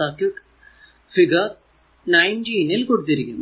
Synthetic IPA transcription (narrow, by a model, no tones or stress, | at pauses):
aːkːɨ | fiɡɐ | nɐjnd͡ʑiːnilkoɽut̪ːiɾikʲːunː